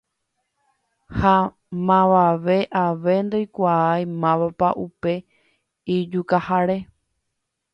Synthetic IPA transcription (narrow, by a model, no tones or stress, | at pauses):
ha | mãʋaʋe̞ʔaʋe̞nd̪ojkʷaajmãʋapaʔupe̞ | id͡ʒukahaɾe̞